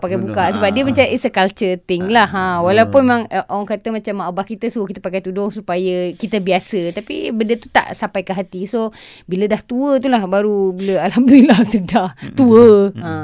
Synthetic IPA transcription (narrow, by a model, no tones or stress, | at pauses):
pakajbukasəbap̚diəmat͡ʃaʔəsəkalt͡ʃət̪ɪŋlaɦãwalawpʊnmemãŋəʔoaŋkat̪əmat͡ʃamːaʔabahkit̪əsukit̪əpakajt̪udɔŋsupajəkit̪əbiasət̪apḭbəndət̪ut̪a̰ʔsampajkəɦat̪isobilədaht̪uət̪ulahbaɾubiləalɦamd̪unilahsədaht̪uəə